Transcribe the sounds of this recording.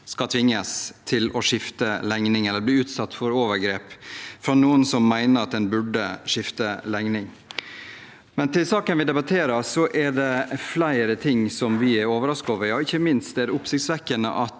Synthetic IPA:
skɑt̪ʰʋɪŋːəst̪ʰɪlɔʂɪft̪əlɛŋnɪŋɛlːəɾbliːʉːt̪sɑt̪ːfɔɾoːʋəɾɡɾeːpfɾɑnuːənsɔmːæɪnəɾɑt̪̚d̪ɛnbʉɖːə̰ʂɪft̪əlɛŋnɪŋ | mɛnt̪ʰɪlsɑːkənʋɪd̪ɛbɑt̪ʰeːɾəɾsɔʔɛɖɛflæɪɾət̪ʰɪŋːsɔmʋɪɛɾoːʋəɾɑskɑːʋəjɑːɪçːəmɪnst̪d̪ɛæd̪ɛʊpsɪçt̪sʋɛkːənə̰ʔɑt̪

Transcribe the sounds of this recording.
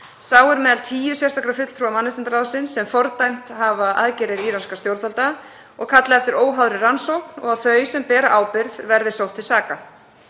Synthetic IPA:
saːwɛɾmɛːðalt̪ʰiːjʏsjast̪akɾafʏt̪l̥t̪ɾuamanːɪst̪ɪnt̪aɾaːwsɪnsːɛmfɔɾt̪ajm̥t̪ɦavaʔa̰ðcɛɾɪɾiːɾanskast̪jowɾt̪alt̪a | ɔɣkʰat̪laɛft̪ɪɾoːwɦawðɾɪransowknɔ̰ɣaðθœːɥsɛmpɛːɾa̰ʔaːwpɪɾðvɛɾðɪ̥sowht̪ʰːɪlsaːka

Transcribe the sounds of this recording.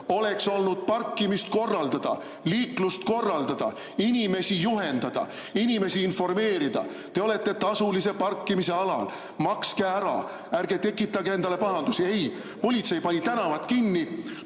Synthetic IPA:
o̞le̞kso̞lnud̪̥̚pɑrkːimist̪̚ko̞rːɑld̪̥ɑd̪̥ɑ̰ | liːklust̪̚ko̞rːɑld̪̥ɑd̪̥ɑ̰ | inʲime̞sijuɦe̞nd̪̥ɑd̪̥ɑ̰ | inʲime̞siːnfo̞rme̞ːɾid̪̥ɑ̰ | t̪e̞o̞le̞t̪ˑːe̞t̪ɑsulise̞pɑrkːimise̞ɑlɑ̰l | mɑkskeæɾɑ̰ | ærɡe̞t̪e̞kːˑit̪ːˑɑɡee̞nd̪ɑle̞pɑɦɑnd̪usie̞j | po̞lʲit̪se̞jpɑnʲit̪ænɑvɑt̪ˑkinːi

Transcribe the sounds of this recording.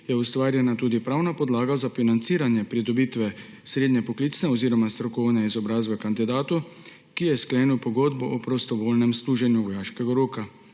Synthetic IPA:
jɛust̪ʋaːɾjɛnat̪uːd̪ipɾaːwnapɔd̪laːɡazafinant̪siːɾanjɛpɾid̪ɔbiːt̪ʋɛ | sɾeːd̪ɲɛpɔkliːt̪snɛɔziːɾɔmast̪ɾɔkɔwnɛizɔbɾaːzbɛkand̪id̪aːt̪u | kijɛskleːniwpɔɡoːd̪bɔʔɔpɾɔst̪ɔʋoːlnɛmst̪uːʒɛnjuʋɔjaːʃkɛɡaɾoːka

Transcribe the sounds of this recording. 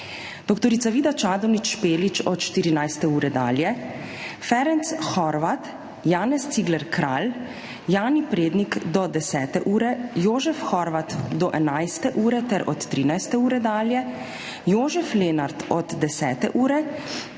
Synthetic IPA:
d̪̥ɔkt̪ɔɾiːt̪saʋiːd̪at͡ʃaːd̪ɔwnit͡ʃʃpeːlit͡ʃɔt̪ʃt̪iɾinajst̪ɛuːɾɛd̪a̰ːljɛ | fɛɾɛnt̪sxɔɾʋat̪ | jaːnɛst̪siɡlɛɾkɾaːl | jaːnipɾeːd̪nikd̪ɔd̪ɛsɛːt̪ɛʔuːɾɛjoːʒɛfxɔɾʋat̪d̪ɔʔɛnajst̪ɛʔuːɾɛt̪ɛɾʔɔ̰t̪ːɾiːnajst̪ɛuːɾɛd̪aːljɛ | joːʒɛflenaɾt̪ɔd̪d̪ɛsɛːt̪ɛ̰ʔuːɾɛ

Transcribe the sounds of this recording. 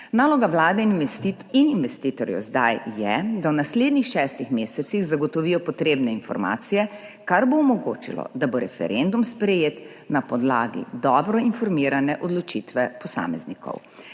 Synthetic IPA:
naːlɔɡawlaːd̪ɛinininʋɛst̪iːt̪ɔɾjɛ̰wzd̪ajːɛd̪awnasleːd̪nixʃɛːst̪ixmeːsɛt̪siɣzaɡɔt̪ɔʋiːjɔpɔt̪ɾeːbnɛinfɔ̰ɾma̰ːt̪sijɛkaɾboɔmɔɡoːt͡ʃḭlɔ̰d̪aboɾɛfɛ̰ɾʔend̪umspɾɛjeːt̪ | napɔd̪la̰ːɡḭd̪ɔbɾɔinfɔɾmiːɾanɛʔɔd̪lɔt͡ʃit̪ʋɛpɔsa̰ːmɛznikɔ̰w

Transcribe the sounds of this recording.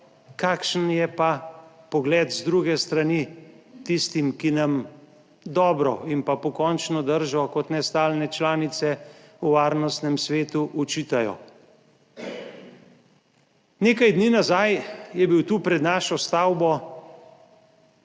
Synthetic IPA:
kaːkʃənjɛpa | pɔɡlɛːd̪zd̪ɾuɡɛst̪ɾanit̪ist̪imkinam | d̪ɔːbɾɔ̰inpapɔkɔːnt͡ʃnɔd̪əɾʒɔkɔt̪nɛst̪aːlnɛt͡ʃlaːnit̪sɛuʋaːɾnɔst̪nɛmsʋeːt̪uʔɔt͡ʃiːt̪ajɔ̰ | neːkajd̪niːnazajjɛbiwt̪uːpɾɛd̪naːʃɔst̪aːwbɔ

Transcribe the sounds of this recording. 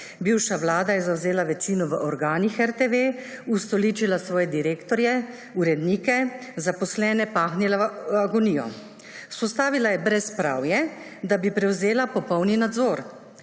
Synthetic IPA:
biːwʃaʋlaːd̪ajɛzawzeːlaʋɛt͡ʃiːnɔʋəʔɔɾɡaːnixɛɾt̪eʋeːust̪ɔliːt͡ʃilasʋɔːjɛd̪iɾeːkt̪ɔɾjɛ | uɾɛd̪niːkɛ | zapɔslɛːnɛpaːxnilaaɡɔniːjɔ̰ | spɔst̪aːʋilajɛbɾɛspɾa̰wjɛ | d̪abipɾɛwzeːlapɔpɔwninad̪zoːɾ

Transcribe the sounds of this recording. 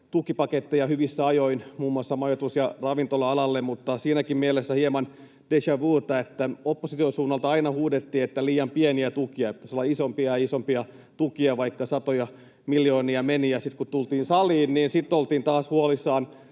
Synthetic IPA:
t̪ukipɑket̪ːejɑhyʋisːæɑjoinmuːmːuɑsːɑmɑjot̪usjɑrɑʋint̪olɑɑlɑlːemmut̪ːɑsiːnækimmielesːæhiemɑn | d̥eʃæʋuːt̪ːɑet̪ːæopːosit̪ionsuːnːɑlt̪ɑɑinɑhuːdet̪ːiːet̪ːæliːjɑmpieniæt̪ukiɑpi̥t̪æ̥solːɑisompiɑjɑisompiɑ | t̪ukiɑʋɑikːɑsɑt̪ojɑ | miljoːniɑmenijɑsit̪kut̪ult̪iːnsɑliːnniːnsit̪ːolt̪iːnt̪ɑːshuolisːɑːn

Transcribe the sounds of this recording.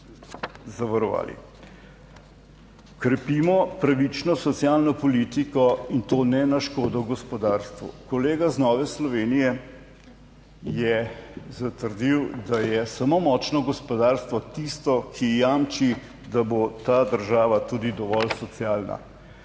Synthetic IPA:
zaʋaɾɔʋa̰ːlḭ | kɾɛpiːmɔpɾaʋit͡ʃnɔsɔt̪sjalnɔpɔliːt̪ikɔint̪oːnɛnaʃkoːd̪ɔɡɔspɔd̪aːɾst̪ʋṵkɔleːɡaznɔʋɛslɔʋeːnijɛ | jɛzat̪əɾd̪iwd̪ajɛsamomɔːt͡ʃnɔɡɔspɔd̪aɾst̪ʋɔt̪ist̪ɔkʰijaːmt͡ʃi | d̪abot̪aːd̪əɾʒaːʋat̪uːd̪id̪ɔʋɔlsɔt̪siaːlna̰

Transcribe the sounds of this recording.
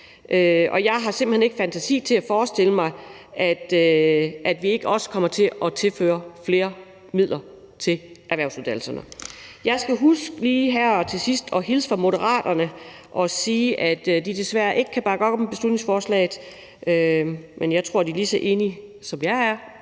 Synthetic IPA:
ʔøʔɒ̽jɑ̈ɪɦɑ̈se̝mb̥lhene̝ɡ̥fænt͡sʰæsḭːt͡sʰe̝æfɒːsd̥e̝ləmɑ̈ɪ | ʔæd̥øʔæd̥ʋie̝ɡ̥əɒ̽sə̥kʰɒ̽m̰ɐt͡sʰe̝ɒ̽t͡sʰe̝lfø̰ːɐfle̝ːɐ | mið̞̰ˠlʔɐ | t͡sʰe̝lʔæɐʋæɐʊsuðˠdæl̩sɐnəjɑ̈ɪsɡ̥æɦusɡ̥liːɦæɐ̰ɒt͡sʰe̝sisd̥ɒ̽ɦilsfɑ̈mo̝ɾəʁɑ̰̈ːd̥ɐnəʔɒ̽siːʔæd̥d̥id̥e̝sʋæɐ̰ʔe̝ɡ̥əkʰæb̥ɑ̈ːɡ̥ɒ̽ɡ̥ɒ̽məb̥e̝slud̥ne̝ŋsfɒːslɛ̰ːɪð̩ˠ | ømenjɑ̈ɪt͡sʰʁo̝ɐ̰dilisɒʔe̝ːnisɒ̽mjɑ̈ɪæɐ

